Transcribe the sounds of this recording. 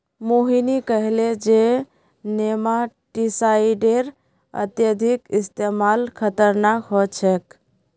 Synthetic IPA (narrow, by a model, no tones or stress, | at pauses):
moɦinikəɦled͡ʒe | nemaʈisaiɖeɾ | ə̰t̪jəd̪ʱikist̪emalkʰət̪əɾnakɦot͡ʃʰɛk